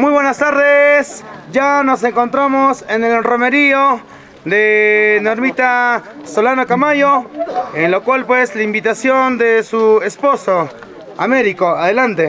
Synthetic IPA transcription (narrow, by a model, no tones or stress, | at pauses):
mujβwe̞nast̪aɾðesd͡ʒano̞s̬e̞ŋko̞nt̪ɾamosenelro̞me̞ɾio | d̪enoɾmit̪a | solanokamajoenlokwalpweslaimbit̪asjo̞nd̪esuespo̞so | ameɾikoaðelant̪e